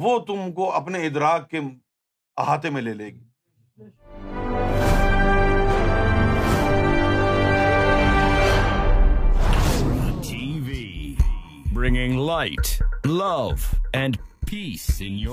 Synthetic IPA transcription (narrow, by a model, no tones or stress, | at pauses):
ʋot̪ʊmkoɐpneɪd̪ɾaːkːe | ɦaːt̪̬emẽleːleːɡeː | tʰivi | bɹɪ̃ŋɪ̃ŋlaɪtlʌvɨ̃npʰisɪ̃nj